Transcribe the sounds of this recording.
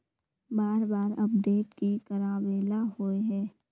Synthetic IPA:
baːɾbaːɾɐpɖeːʈkikəɾaːbeːlahoːeɦɛː

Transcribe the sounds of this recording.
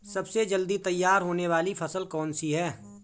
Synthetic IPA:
sɐbsed͡ʒɐld̪it̪ɐjːaːɾɦoːneʋaːlipʰɐsəlkɔːnsiɦɛː

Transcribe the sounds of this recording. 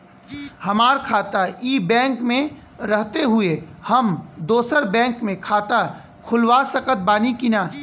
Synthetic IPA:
hɐmaːɾkʰaːt̪aiːbɛ̃ːŋkmẽ | ɾɐɦt̪eɦʊehɐmd̪oːsəɾbɛ̃ːŋkmẽkʰaːt̪a | kʰʊlwasəkət̪̚baːnikinaː

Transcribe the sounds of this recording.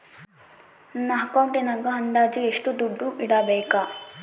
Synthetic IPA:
nɐɦɐkɐwɳʈenɐɡɐɦɐnd̪aːd͡ʒieʂʈud̪uɖːuʔiɽɐbɛːka

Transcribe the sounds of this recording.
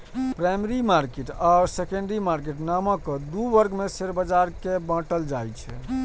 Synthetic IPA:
pɾajmɾimaɾkeʈaɾsekə̃ɳɖɾimaɾk̬eʈnaməkəd̪uʋəɾɡmeseɾbəd͡ʒaɾkebãʈəld͡ʒajt͡ʃʰɛ̰

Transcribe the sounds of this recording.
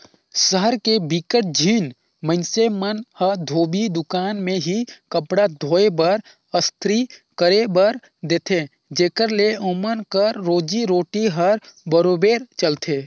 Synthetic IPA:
səɦəɾkebikəʈ̚d͡ʒʱiːn | mə̃nsemənhəd̪ʱoːbid̪ʊkaːnmẽɦikəpɽad̪ʱoːebəɾ | əst̪ʰɾikəɾebəɾ | d̪eːt̪ʰe | d͡ʒeːkəɾleomənkəɾːoːd͡ʒiɾoːʈiɦəɾbəɾoːbeːɾt͡ʃəlt̪ʰeː

